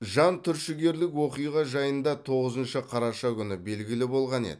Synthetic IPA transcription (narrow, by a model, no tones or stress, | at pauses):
ʒɑnt̪ʰʏɾʃɪɡʲe̞ɾlɪkwo̞qijʁɑʒɑjənd̪ɑt̪ʰo̞ʁəzənʃəqʰɑɾɑʃɑkʲʰʏnɪbe̞lɡʲɪlɪbo̞lˠʁɑnḛd̪ɪ